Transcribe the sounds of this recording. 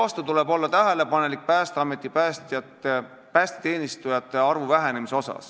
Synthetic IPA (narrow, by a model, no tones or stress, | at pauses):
ɑst̪ut̪ule̞bo̞lːɑt̪æɦele̞pɑne̞lik̚pæːst̪eɑme̞t̪ːˑipæst̪ɑt̪e | pæːst̪e̥t̪e̞ːnist̪ujɑt̪ːˑeɑrvuvæɦene̞miseo̞sɑ̰s